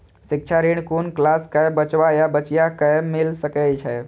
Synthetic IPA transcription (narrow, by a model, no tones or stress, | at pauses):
sik̚t͡ʃʰaɾiɳkunklaskəjbət͡ʃwajabət͡ʃjakəjmilsəkɛt͡ʃʰɛ